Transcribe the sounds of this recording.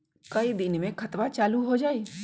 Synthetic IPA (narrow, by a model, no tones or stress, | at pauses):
kɐid̪ɪnmẽkʰɐt̪ʋat͡ʃaːluɦod͡ʒaːiː